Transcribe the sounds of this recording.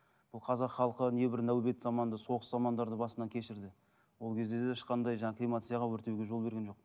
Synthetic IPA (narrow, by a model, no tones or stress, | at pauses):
b̥ʊlˠqʰɑzɑqχɑlˠəqənje̞bɪɾnæwbe̞t̪zɑmɑnd̪əso̞ʁəszɑmɑnd̪ɑɾd̪əbɑsənɑkʲʰe̞ʃɪɾd̪ɪ | wo̞lˠkʲʰe̞zd̪ed̪eɪʃqɑnd̪ɑjʒɑɴɑkʰʲijmat̪sɨjɑʁɑwɵɾt̪e̞wɡʲe̞ʒo̞lˠbe̞ɾɡʲe̞nʒo̞q̚